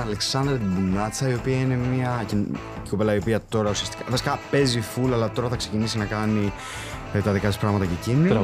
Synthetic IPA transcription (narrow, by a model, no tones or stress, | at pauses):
ɐle̞ksɐnd̪ɾet̪ibunɐt͡sɐio̞piɐine̞miɐcin | kopelɐio̞piɐt̪o̞ɾɐusiɐst̪i̥kɐfɐsi̥kɐpe̞zifulɐlɐt̪o̞ɾɐθɐkse̞cinisinɐkɐni | t̪ɐðikɐt̪ispɾɐɣmɐt̪ɐcecini